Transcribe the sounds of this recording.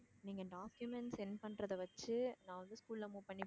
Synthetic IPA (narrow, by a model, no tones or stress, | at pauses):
niːŋɡɐɖaːkjʊmɛɳʈsɛnːɐpɐnɾɐðɐʋɐt͡ʃːɯnãːʋɐnd̪ɯskuːllɐmuːpɐɳːip